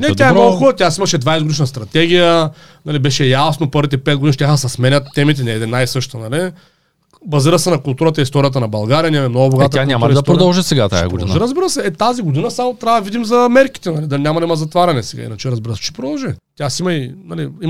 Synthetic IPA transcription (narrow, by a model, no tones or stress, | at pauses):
nɛt̪ʲjaɛmmnolɡʊxɔlɐt̪ʲjasimɐʃɛd̪vajsɛɡod̪iʃnɐst̪ɾɐt̪ɛɡʲijə | nɐlibɛʃɛjasnopɤɾvit̪ɛpɛt̪̚ɡod̪iniʃt̪jaxsɐsmɛnʲɐt̪ːɛmit̪̬ɛnɛd̪ɛnajsɤʃt̪t̪ɐnɐli | bɐziɾəsɛnɐkʊlˠt̪uɾət̪əist̪ɔɾijət̪ɐnɐbɐlˠɡaɾʲijənʲamɛmnoɡʊboɡat̪aamd̪ɐt̪pɾod̪ɐlˠʒisɛɡat̪a̰jɐ̰ɡod̪ḭnɾɐzbiɾəsɛɛt̪aziɡod̪inəsamot̪ɾʲavd̪ɐvid̪imzɐmɛɾki̥t̪ɛnɐlid̪ɐlinʲamɐd̪ɐiməzɐt̪vaɾʲɐnɛsɛɡa̰ḭnɐt͡ʃɛɾɐzbiɾəsɛ̥t͡ʃi̥pɾod̪ɐlˠʒit̪ʲjasimɐinɐlii